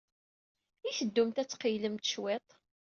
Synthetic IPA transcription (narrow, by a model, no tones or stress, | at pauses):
iθəd̪ːumt̪æt͡sːqijləmt̪ʃwet̪ˤ